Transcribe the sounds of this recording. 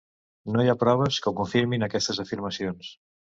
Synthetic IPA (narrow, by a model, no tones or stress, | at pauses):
nojapɾɔβəskəwkuɱfiɾminəkɛst̪əzəfiɾməsions